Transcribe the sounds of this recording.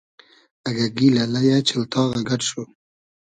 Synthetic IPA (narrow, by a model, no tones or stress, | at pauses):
aɡaɡilalajat͡ʃɪlt̪ʰɑːɣaɡaʈʃo